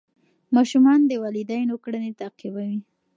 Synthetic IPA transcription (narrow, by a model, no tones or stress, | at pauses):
mɑʃumɑnd̪əwɑlid̪ajnokɽanet̪aqibawi